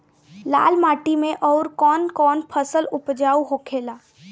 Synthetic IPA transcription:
la̰ːlmaːʈimẽʔɔːɾkɔːnkɔːnpʰəsəlʊpd͡ʒaːuɦoːkʰeːlaː

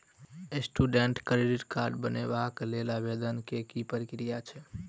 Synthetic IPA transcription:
esʈuɖeɳʈkɾiɖiʈkaɾɖbənebaklelabed̪ənkekipəɾikɾijat͡ʃʰɛ

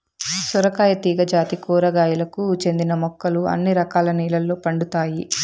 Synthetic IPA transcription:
sɔɾɐkaːjɐt̪iːɡɐd͡ʒaːt̪ikuːɾɐɡaːjulɐkut͡ʃe̞nd̪inɐmɔkːɐluɐ̰nːiɾɐkaːlɐniːlɐlːoːpɐɳɖut̪aːji

